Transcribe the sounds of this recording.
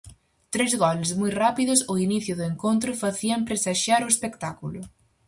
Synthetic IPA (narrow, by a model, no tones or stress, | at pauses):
t̪ɾezɣɔlzmujrapiðʊsoiniθjʊðʊeŋkont̪ɾʊfaθiɐmpɾesaʃaɾʊespekt̪akulʊ